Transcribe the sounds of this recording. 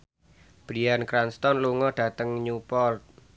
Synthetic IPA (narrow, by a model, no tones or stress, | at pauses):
b̥ɾiankɾanst̪ɔnluŋɔɖ̥ä̤t̪əŋɲupɔlt̪̚